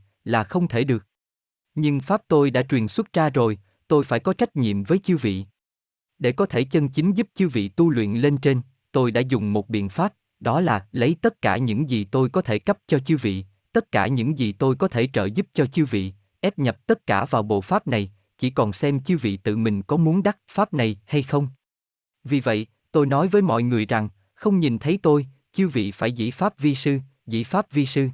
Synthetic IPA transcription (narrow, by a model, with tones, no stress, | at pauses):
laː˨˩xə˧wŋ͡mt̪ʰe˧˩ɗɨ˨˩ək̚ | ɲɨ˧ŋfaː˦˥p̚t̪o˧jɗa̰ː˧˥t͡ɕwi˨˩ənswə˦˥t̚zaː˧zo˨˩j | t̪o˧jfaː˧˩jkɔ˨˦t͡ɕa˦˥jk̟̚ɲḭ˧˨əmvəː˨˦jt͡ɕi˧vḭ˧˨ | ɗe˧˩kɔ˨˦t̪ʰe˧˩t͡ɕə˧nt͡ɕï˨˦ŋ̟zu˦˥p̚t͡ɕi˨˦˥wvḭ˧˨t̪u˧lwḭ˧˨ənle˧nt͡ɕe˧n | t̪o˧jɗa̰ː˧˥zʊ˨˩ŋ͡mmo˨˩t̚ɓḭ˧˨ənfaː˦˥p̚ | ɗɔ˨˦laː˨˩lə˨˦jt̪ə˦˥t̚kaː˧˩ɲɨ̰˧˥ŋzi˨˩t̪o˧jkɔ˨˦t̪ʰe˧˩kə˦˥p̚t͡ɕɔ˧t͡ɕi˨˧vḭ˧˨ | t̪ə˦˥t̚kaː˧˩ɲɨ̰˧˥ŋzi˨˩t̪o˧jkɔ˨˦t̪ʰe˧˩t͡ɕə̰ː˧˨zu˦˥p̚t͡ɕɔ˧t͡ɕi˨˧wvḭ˧˨ | ʔɛ˦˥p̚ɲə˨˩p̚t̪ə˦˥t̚kaː˧˩vaː˨˩wɓo̰˧˨faː˦˥p̚na˨˩j | t͡ɕi˧˩kɔ˨˩nsɛ˧mt͡ɕi˧˦wvḭ˧˨t̪ɨ̰˧˨mï˨˩ŋ̟kɔ˨˦mu˨˦ənɗa˦˥t̚faː˦˥p̚na˨˩jha˧jxə˧wŋ͡m | vi˨˩və̰˧˨j | t̪o˧jnɔ˨˦jvəː˨˦jmɔ̰˧˨jŋɨ˨˩əjza˨˩ŋ | xə˧wŋ͡mɲi˨˩nt̪ʰə˨˦jt̪o˧j | t͡ɕi˧wvḭ˧˨faː˧˩jzḭ˧˥faː˦˥p̚vi˧sɨ˧ | zḭ˧˥˨faː˦˥p̚vi˧sɨ˧